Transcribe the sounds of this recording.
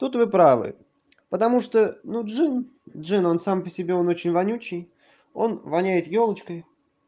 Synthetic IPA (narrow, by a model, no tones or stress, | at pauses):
t̪ut̪vɨpɾavɨ̰ | pət̪ɐmuʂt̪onuʐɨndʐɨno̞nsampəsʲɪbʲeo̞not͡ɕɪnʲvɐnʲut͡ɕːɪj | o̞̰nvɐnʲæjɪt̪jo̞lˠət͡ɕkəj